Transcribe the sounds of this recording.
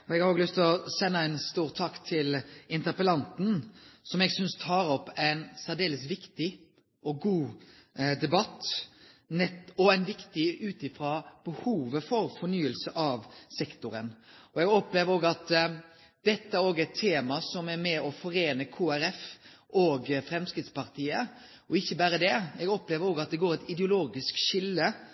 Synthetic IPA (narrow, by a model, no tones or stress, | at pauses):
ɔɛɡhɑɾoːɡəlʏst̪ʰɔsɛnːəæɪnst̪uːɾt̪ʰɑkːt̪ʰɪlɪnt̪əpəlɑnt̪n̩sɔmɛɡsʏnst̪ʰɑːɾɔpːæɪnsæʁd̪eːləsʋɪkt̪ɪ | ʔɔɡuː | d̪ɛbɑt̪ː | nɛt̪ɔæɪnʋɪkt̪ɪʉːt̪ɪfɾɑb̥əhuːʋəfɔɾfɔnyːəlsəʔɑʋsɛkt̪ʊɾə̰nɔɛɡɔpleːʋəɾoːɡɑt̪ | d̪̥ɛt̪ːəæɾoːɡɛt̪ʰːeːmɑsɔmæɾmɛɔfɔɾeːnəkʰoːæɾɛfʔoːɡfɾɛmskɾɪt̪spɑɾt̪ʰiːə | ɔɪçːəbæːɾəd̪ɛɛɡɔpleːʋəɾoːɡɑt̪̚d̪ɛɡoːɾɛt̪ɪd̪ɛʊloːɡɪskʃɪlːə